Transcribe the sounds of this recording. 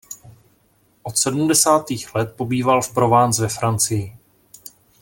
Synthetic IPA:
ʔo̞t̪sɛdumdɛsaːt̪iːxlɛt̪̚po̞biːvalfpɾo̞vaːnt͡svɛfɾant͡sɪjɪ

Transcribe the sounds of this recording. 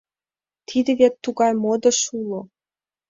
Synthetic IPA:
t̪ʰid̪ĕβet̪ːuɣɑjmod̪ə̆ʃulo

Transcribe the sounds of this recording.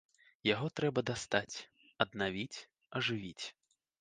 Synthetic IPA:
jaɣɔt̪ɾɛbɐd̪ast̪at͡sʲ | ɐd̪navʲit͡sʲ | ɐʐɨvʲit͡sʲ

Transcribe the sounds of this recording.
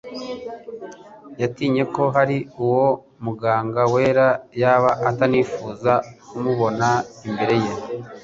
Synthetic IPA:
jatiːɲe̞ko̞ɦaɾiuwo̞ | muɡaːŋɡawe̞ːɾajaːβaʔataniːfuːzakumuβo̞naimbe̞ɾe̞jen

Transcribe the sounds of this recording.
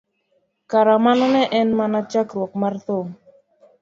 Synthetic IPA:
kaɾamanɔnɛʔɛnmanat͡ʃakɾwɔkmart̪o

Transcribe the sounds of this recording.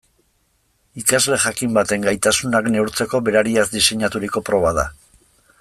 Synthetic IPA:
ikazle̞ʝakimbat̪e̞ŋɡajt̪asunakne̞uɾt͡se̞ko̞βe̞ɾaɾiazd̪ise̞ɲat̪uɾiko̞pɾo̞βaða̰

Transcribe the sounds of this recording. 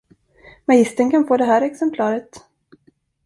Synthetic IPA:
majɪst̪ənkʰanfoːd̪ɛɦæːɾɛksɛmpʰlɑːɾət̪

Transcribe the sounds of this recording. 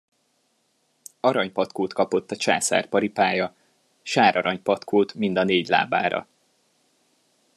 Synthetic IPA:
ɒɾɒɲpɒt̪koːt̪kɒpo̞t̪ːɒt͡ʃa̰ːsa̰ːrpɒɾipaːjɒ | ʃaːɾɒɾɒɲpɒt̪kʰoːt̪mind̪ɒneːɟla̰ːba̰ːɾɒ̰

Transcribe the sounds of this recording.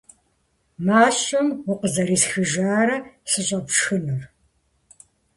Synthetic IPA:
maːɕɐmwʊqəzɐɾiːsxɨʒaːɾɐsɨɕʼɐpʃxɨnɨr

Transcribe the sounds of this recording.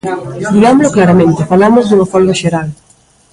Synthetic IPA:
d̪iɣamoloklaɾamẽnt̪ɪfalamozðuŋafɔlɡaʃeɾal

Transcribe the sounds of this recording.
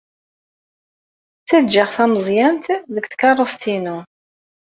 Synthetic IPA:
t͡sːæd͡ʒaʁθæməzˤjænt̪ðəkt̪kɑrˤːost̪inu

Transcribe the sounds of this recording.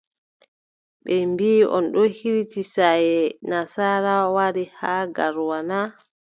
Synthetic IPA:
ɓɛmbiːʔɔ̰nɗɔhiɾitisajɛnasaːɾawaɾihaːɡaɾwana

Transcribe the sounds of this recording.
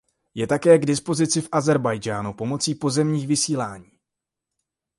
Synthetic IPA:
jɛt̪akɛːɡdɪspo̞zɪt͡sɪfʔazɛɾbajd͡ʒaːnupo̞mo̞t͡siːpo̞zɛmɲiːxvɪsiːlaːɲiː

